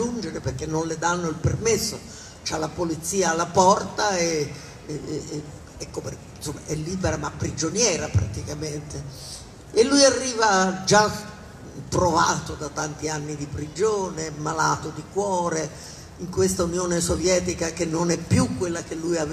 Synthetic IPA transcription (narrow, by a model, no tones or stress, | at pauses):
und͡ʒeɾeperk̟enːonled̪anːoilpermesːo | t͡ʃalːapolit̪sːiːaːlːapɔrt̪ae | ɛkːope | nsomːa̰ʔɛlːiːbeɾamapːɾid͡ʒonjɛːɾapɾa̰t̪ikament̪eː | lːujarːiːvad͡ʒa | p̪ɾovaːt̪od̪at̪ːant̪ianːid̪ipɾid͡ʒoːnemalaːt̪od̪ikwɔːɾe | iŋkwest̪aunjoːnesovjɛːt̪̬ikak̟enːonɛpːjukːwelːakelːujav